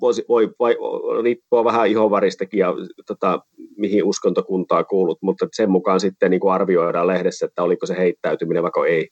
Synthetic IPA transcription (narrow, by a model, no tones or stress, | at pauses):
ʋoˑisiʋoiʋoḭriːpːoːʋæhæihoʋʋɑrist̪ɑkijɑt̪ot̪ɑmihiuskont̪okunt̪ɑːkuːlːut̪mut̪ːesemmukɑnsit̪ːenniːŋkuɑrʋioiɾɑlehɾesːæet̪ːæolikoseheit̪ːæyt̪ymineʋɑˑkoei